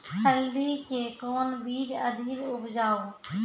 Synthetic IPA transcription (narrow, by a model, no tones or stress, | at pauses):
ʃʰəlɖikekɔːnbʱiːd͡ʒəd̪ʱiːɾʊpd͡ʒaːo